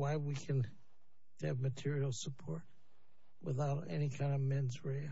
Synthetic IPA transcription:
waɪwikʰɨ̃n | ɨvmɨtʰɪɹil̩ˠsəpʰɔɹt̚ | wə̰θaʊɾɛ̰nikʰãɪ̃ndʌvmɛ̃nzɹeɪ

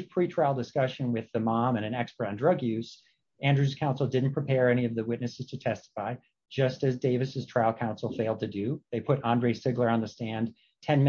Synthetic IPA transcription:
pʰɹ̥itʰɹ̥aɪlˠdɨskʌʃɨ̃nwɪðɨmɑ̃mɨ̃ñɨ̃nɛkspə˞ɾ̃n̩dɹʌɡjʉz̥ | æ̃ndɹʉz̥kʰãʊ̃nsl̩ˠdɪdⁿn̩pʰɹ̥ipʰɛɹɛñiʌvðɨwɪtⁿnɨsɨz̥tʰɨtʰɛstə̥faɪ | d͡ʒʌstɨzdeɪvɨsɨz̥tʰɹ̥aɪlˠkʰãʊ̃nsl̩ˠfeɪlˠd̚tʰɨdɨðeɪpʰʊɾɑ̃ndɹeɪsɪɡlə˞ə̃nðɨstæ̃n | tʰɛ̃nm

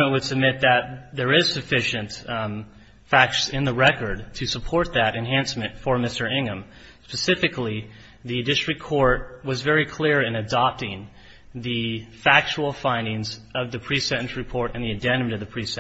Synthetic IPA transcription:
mɨ̃nwɨd̥sɨb̚mɪt̪̚ðɨt̪̚ðə˞ɪz̥sɨfɪʃɨ̃nt | fæk̚sɨ̃nðəɹɛkə˞d̚tʰɨsəpʰɔɹt̪̚ðɨɾɨ̃nɦæ̃nsmɨ̃ntfə˞mɪstə˞ɪ̃ŋə̃m | spɨsɪfɨkli | ðɨdɪstɹ̥ɨkʰːɔɹt̚wʌzvɛɹikʰl̥ɪɹɨ̃nɨdɑp̚tɪ̃ŋ | ðɨfæk̚t͡ʃul̩ˠfãɪ̃ndɪ̃ŋzʌvðɨpʰɹ̥isɛ̃ɾn̩sɹɨpʰɔɹɾɨ̃nðiɨ̃dæ̃nmɨ̃ɾʌvðɨpʰɹ̥isɛ̃

